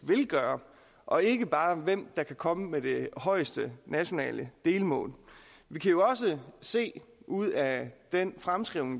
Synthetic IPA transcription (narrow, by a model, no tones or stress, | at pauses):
ʋe̝lɡ̥ɶːɐ | ʔɒ̽e̝ɡ̥əb̥ɑ̈ːʋem̰d̥ɑ̈kʰækʰɒ̽məmed̥e̝hɒ̽ɪsd̥ənæɕo̝nɛ̰ːlʔəd̥e̝ːlmɔ̰̽ːlʋikʰæjo̝ɒ̽s̬əse̝̰ːuð̰ˠæd̥enfʁamsɡ̥ʁiʊneŋ